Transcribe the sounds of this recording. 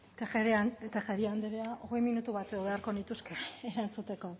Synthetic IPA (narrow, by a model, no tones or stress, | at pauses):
t̪eet̪exeɾiand̪eɾeaʔoɣe̞jminut̪uβat̪eoβeaɾko̞nit̪uskeːɾant͡sut̪e̞ko̞